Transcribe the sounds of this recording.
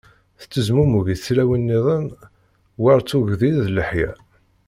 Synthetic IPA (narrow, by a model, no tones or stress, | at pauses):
θt͡sːəzmumuʝiθt͡sːlæwinːiðˤən | wɑɾˤt͡sːuʝðilðləħjæ̰